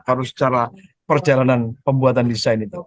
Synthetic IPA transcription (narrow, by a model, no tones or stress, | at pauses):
aɾʊsə̥t͡ʃaɾapərd͡ʒalananpəmbuat̪andisajnit̪u